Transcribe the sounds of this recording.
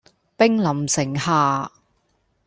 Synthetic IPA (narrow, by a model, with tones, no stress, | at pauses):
pɪ˥ŋlɐ˨˩msɪ˨˩ŋhaː˨˧